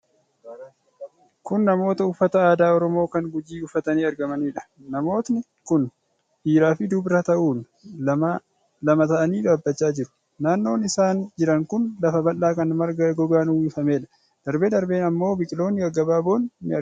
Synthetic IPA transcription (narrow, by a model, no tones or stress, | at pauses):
kʊnːɐmo̞ːt̪ɐʊfːɐt̪ɐaːd̪aːɔɾɔmo̞ːkɐŋɡʊd͡ʒiːʊfːɐt̪ɐniːɐɾɡɐmɐniːᶑɐ̥nɐmo̞ːt̪nɪ | kʊn | ʔiːɾaːfɪd̪ʊbɾɐt̪ɐʔuːn | lɐmɐt̪ɐʔɐniːᶑɐbɐbːɐt͡ʃːaːd͡ʒɪɾʊ̥ | naːnːo̞ːnɪsaːnd͡ʒɪɾɐŋkʊnlɐfɐbɐlːaːkɐnmɐɾɡɐɡɔɡaːnʊwiːfɐme̞ːᶑɐ̥ | d̪̥ɐɾbeːd̪ɐɾbe̞ːnɐmːo̞ːbɪkʼɪlo̞ːnːɪɡɐɡːɐbaːbo̞ːnːɪ̰ɐ